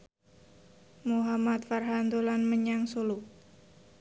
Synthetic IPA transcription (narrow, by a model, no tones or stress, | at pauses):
muɦamat̪farɦand̪olanməɲaŋsolu